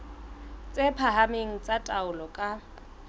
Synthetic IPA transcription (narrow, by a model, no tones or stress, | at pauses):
t͡sʼepʰaɦameŋ̩t͡sʼatʼaʊlɔkʼa